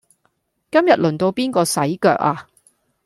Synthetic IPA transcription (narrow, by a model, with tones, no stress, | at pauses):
kɐ˥mjɐ˨t̚lɵ˨nt̪o˧wpiː˥nkɔː˧sɐ˨˥jkœ̰ː˨k̚aː˧